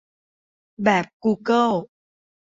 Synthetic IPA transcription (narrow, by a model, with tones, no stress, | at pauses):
ɓɛː˨˩p̚ku˧kə˧l